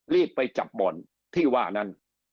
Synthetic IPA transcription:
liː˥˩pːa˧jt͡ɕa̰˨˩p̚bɔ˨˩n | t̪ʰiː˥˩waː˥˩na˦˥˨n

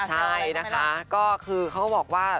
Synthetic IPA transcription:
t͡ɕʰa˥˩jna˦˥kʰa˦˥kɔː˥˩kʰɯː˧kʰa˦˥wbɔː˨˩k̚waː˥˩

